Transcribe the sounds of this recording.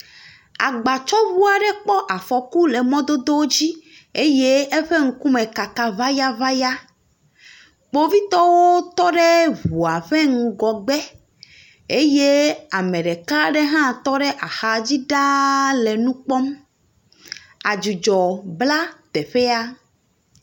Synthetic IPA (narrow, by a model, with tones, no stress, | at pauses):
a̰˨ɡ͡ba˨t͡ʃɔ˦βu˦a˨ɖe˦k͡pɔ˦ʔa˨fɔ˨ku˦le˨mɔ̃˦d̪o˦d̪o˦wo˦d͡ʑi˦ | e˦je˦e˦ɸe˦ŋ̩˦ku˦mẽ˨ka˨ka˦va˦ja˦va˦ja˦ | k͡po˦vi˦t̪ɔ˦wo˦t̪ɔ˦ɖe˦βu˨a˨ɸɛ˦ŋ̩ũ˦ɡɔ˨ɡ͡bɛ˦ | e˦je˦a˨mẽ˨ɖe˨ka˦ɖe˦ɦã˦t̪ɔ˦ɖe˦ʔa˨xa˨d͡ʑi˦ɖa˦le˨nũ˦k͡pɔ˦m | a˨d͡ʒu˨d͡ʒɔ˨bla˦t̪e˨ɸe˦a˦